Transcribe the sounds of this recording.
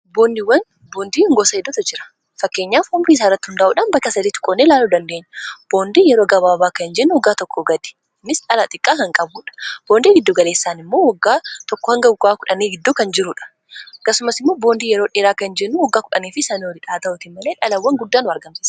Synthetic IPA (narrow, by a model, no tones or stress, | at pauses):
boːnd̪ɪwːɐn | boːnd̪iːhɪŋɡoːsɐhɪd̪ːɔt̪ɐd͡ʒɪɾɐ̥ | fɐkːe̞ːɲːaːfɔmbɾiːs̬arːɐt̪ːɪhʊnd̪aːʔuːᶑɐnbɐkːɐsɐd̪iːt̪ʊ̥kʼɔnːelaːluːd̪ɐnd̪e̞ːɲːɐb̥o̞ːnd̪iːjɛɾoːɡɐbaːbaːkɐnd͡ʒɛnːʊwɔɡːaːt̪ɔkːɔɡɐd̪ɛ̥ | nːɪsᶑɐlɐt̪ʼɪkʼːaːkɐŋkʼɐbuːᶑɐ̥b̥oːnd̪iːɡɪd̪ːoɡɐle̞ːsːaːnɪmːo̞ːwɐɡːaːt̪ɔkːɔhɐŋɡɐɡaːkʊᶑɐniːɡɪd̪ːoːkɐnd͡ʒɪɾʊᶑɐ̥ | ɐkːɐsʊmɐsɪmːo̞ːbo̞ːnd̪iːjɛɾo̞ːᶑeːɾaːkɐnd͡ʒɛnːʊwɐɡːaːkʊᶑɐniːfɪsaniwɔdɪᶑaːt̪ɐʔʊt̪ɪmɐleːᶑɐlɐwːɐŋɡʊd̪ːaːnʊɐɾɡɐmsiːs